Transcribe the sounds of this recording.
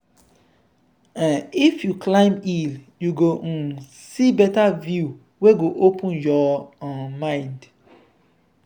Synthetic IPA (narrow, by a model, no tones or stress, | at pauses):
ãnifjuklãɪ̃mil | juɡo | sibɛtavju | weɡoʔopʰũnjɔ | mãɪ̃nd